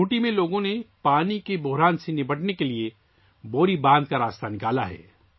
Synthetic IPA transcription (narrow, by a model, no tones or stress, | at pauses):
uːʈimẽloːɡõnepaːnikebʊɦɾaːnsenɪbɐʈnekelie | boːɾibãːnd̪̚kaɾaːst̪anɪkaːla̰ɦɛ̰ː